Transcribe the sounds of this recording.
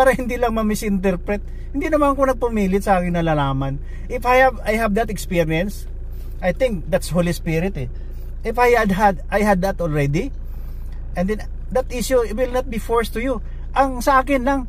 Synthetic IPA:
paːɾɐhɪnd̪iːlɐŋmɐmɪsɪnt̪̬ɛɾpɾɛt̪̚ | hɪnd̪inɐmankonɐɡ̚pʊmiːlɪt̪sɐʔaːkɪŋnɐlaːlaːman | ʔɪfajvajɦɐvd̪ɐt̪ɛkspɪɹiɐ̃ns | ʔajθɪ̃ŋk̚d̪at̪sholispɪɾɪt̪ɛ | ʔɪfajad̪ɦad̪ajhɐd̪at̪olɹɛd̪i | ʔɛ̃nd̪ɛn | d̪ɐt̪ʔiʃuɪt̚wɪlnɐt̪̚bifoɹst̪ʊjʊ | ʔɐŋsɐʔaːkɪnlaŋ

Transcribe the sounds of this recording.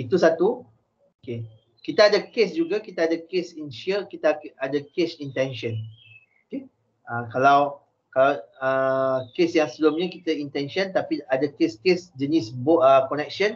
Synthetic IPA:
it̪usat̪u | oke | kit̪aːdakesd͡ʒuɡakit̪aːdakesinʃiəkit̪aadakesint̪ɛnʃən | oke | akalaw | kalawəkesjaŋsəbəlʊmɲãkit̪aint̪ɛnʃənt̪apiadakeskesd͡ʒənĩsboəkonɛk̚ʃən

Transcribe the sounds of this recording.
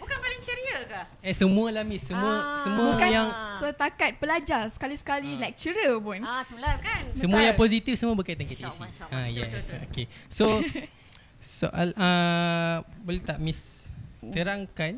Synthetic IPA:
bukanpalɪŋsəɾiəka | ɛsəmũəlamissəmũəsəmukajaŋsot̪akat̪̚pəlad͡ʒarsə̥kalisə̥kalilɛk̚t͡ʃəɾəpʊnat̪ulakansəmuajãŋpozit̪ifsəmũəbəkajt̪ankit̪isḭajɛso̰keso | so̰ʔalʔa | bolet̪aʔmis | t̪əɾaŋkan

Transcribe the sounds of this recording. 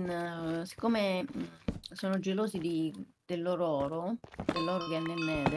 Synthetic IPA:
nːsi̥kːoːme | soːnod͡ʒeloːzid̪i | d̪̥elːoːɾɔːɾod̪elːɔːɾokeɛnːelmɛːd̪e

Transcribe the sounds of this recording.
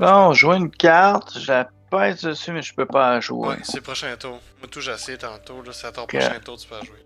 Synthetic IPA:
bɔ̃ʒwɛɨnkʲaʁt̪ʒapɛt̪d̪əsymɛʒə̥pøpaʒwɪ̰sepʁɔʃɛ̃t̪uːʁ | mwat̪uʒasɛjt̪ɑ̃ːt̪olɔsat̪ɔ̃pkḛɛ̃t̪uːʁt̪y̥pøaʒwe

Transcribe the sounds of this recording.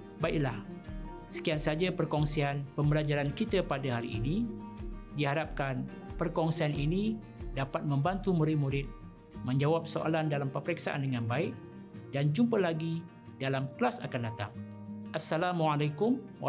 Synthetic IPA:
baɪʔlah | sə̥kiansad͡ʒapərkɔŋsianpəmbəlad͡ʒaɾankit̪apadaɦaɾḭʔːni | diɦaɾap̚kanpərkɔŋsianʔinĩ | dapat̪̚mə̃mbant̪umuɾɪʔ̚muɾɪt̪̚ | mə̃ɲd͡ʒawap̚soʔa̰landalampəpəɾiksaʔa̰ndəŋãnbaɪʔ̚ | dand͡ʒumpəlaɡi | dalamkəlasa̰kandat̪a̰ŋ | ʔasːalamualajkʊm | wa

